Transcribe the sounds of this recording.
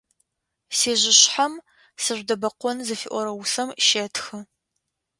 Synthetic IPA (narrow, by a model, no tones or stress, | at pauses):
seːʑɪɕħam | sɨʑʷdɐbɐqʷɔnzɐfḭʔʷɔɾɐwʊsɐmʃeːtʰxɨ